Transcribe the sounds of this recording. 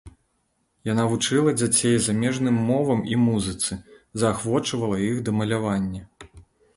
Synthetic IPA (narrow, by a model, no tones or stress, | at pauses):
janavut͡ʂɨlˠɐd͡zʲat͡sʲejzamʲɛʐnɨmːɔvɐmimuzɨt̪sɨzɐːxvɔt͡ʂɐvɐlˠɐjixd̪ɐmɐlʲavanʲːɐ